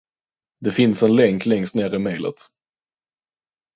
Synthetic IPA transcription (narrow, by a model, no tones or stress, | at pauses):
d̪ɛfɪnsɛnlɛŋklɛŋst̪neːɾɪmeːlə̰t̪